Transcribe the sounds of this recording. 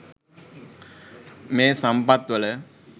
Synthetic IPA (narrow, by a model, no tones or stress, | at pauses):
meːsɐmpɐt̪ʋɐlə